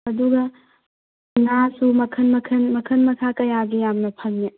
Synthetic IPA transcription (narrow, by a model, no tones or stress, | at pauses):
ɐduɡɐ | nasumɐkʰɐnmɐkʰɐnmɐkʰɐnmɐkʰakɐjaɡijamnɐpʰɐmje